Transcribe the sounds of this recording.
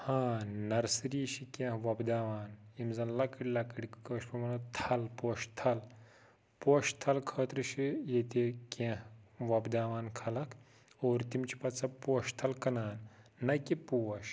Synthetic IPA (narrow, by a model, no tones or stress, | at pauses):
hãːnɐɾsɾiːʃikẽɦʋɐbd̪aːʋaːnimzɐnlɐkɽʲilɐkɽikkəːʃpɐmɐnɐt̪ʰɐlpoːʃt̪ʰɐl | poːʃt̪ʰɐlkʰəːt̪ɾɨʃijet̪eːkʲẽhʋɐbd̪aːʋaːnkʰɐlɐkʰ | oːɾt̪imt͡ʃʰi̥pɐt͡sɐpoːʃt̪ʰɐlkɐnaːnː | ɐkipoːɐʃ